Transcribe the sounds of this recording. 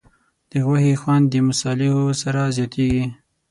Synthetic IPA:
d̪̥əɣwahexwand̪ːəmʊsɑlɪhosaɾazjɑt̪ʰeɡi

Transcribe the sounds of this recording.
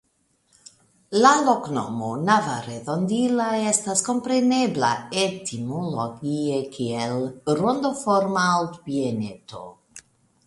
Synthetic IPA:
lalokno̰monavaɾedond̪ilaest̪asko̞mpɾenebla̰et̪imoloɡiekʰielɾond̪ofoɾmaalt̪pienet̪o̰

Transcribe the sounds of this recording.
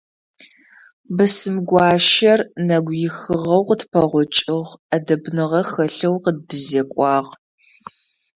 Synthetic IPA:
bɨsɨmɡʷɑːʃɐrnɐɡʷjɪxɨʁɐwqətpʰɐʁʷʊt͡ʃʼɪʁɐdɐbnɨʁɐxɐɬɐwqədɨzekʷʼɑːʁ

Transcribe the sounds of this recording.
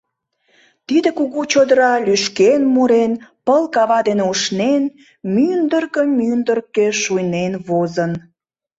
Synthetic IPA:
t̪id̪ekuɣut͡ɕod̪əɾɑlyʃkenmuɾenpəlkɑβɑd̪eneuʃnen | mynd̪ərkəmynd̪ərkeʃujnenβozən

